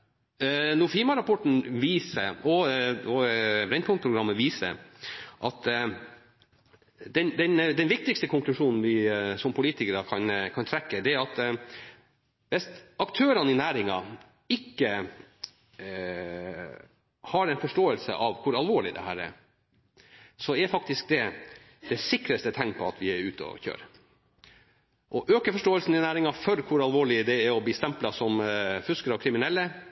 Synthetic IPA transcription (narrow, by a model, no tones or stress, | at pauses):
nʊfiːmɑɾɑpɔʈɳ̩ʋiːsəʔɔɔbɾɛnkʰɔŋ̚pʰɾʊɡɾɑmːəʋiːsə̰ʔɑ̰t̪ | d̪ɛnd̪ɛnd̪ɛnʋɪk̚t̪ɪkst̪əkʰʊŋklʉʂuːnn̩ʋɪsɔmpʰʊliːt̪ɪkəɾɑkʰɑnkʰɑnt̪ʰɾɛkːəd̪ɛæɾɑt̪ | ʋɛst̪ɑkt̪ʰøːɾɑnɪnæːɾɪŋɑ | ɪkːə | hɑɾɛnfɔʂʈoːəlsə̰ʔɑʋkʰʊɾɑlʋoːɭɪd̪ɛ̰hæ̰ːɾɛ̰ɾ | sɔɛɾfɑk̚t̪ɪsk̚d̪ɛ | d̪̥ɛsɪkɾəst̪ət̪ʰɛŋpʰɔɑt̪ʋɪæɾʉ̰ːt̪əɔ̰çø̰ːɾə | ʔɔʔøːkəfɔʂʈoːəlsn̩ɪnæːɾɪŋɑfɔɾkʰʊɾɑlʋoːɭɪd̪ɛæɾɔbliːst̪ɛmplɑsɔmfʉskəɾɔkʰɾɪmɪnɛlːə